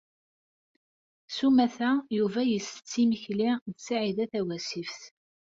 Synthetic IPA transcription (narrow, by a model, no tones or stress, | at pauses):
sumæθæjuvæjəsə̥t͡sːiməçliðsaʕiðæθæwæsifθ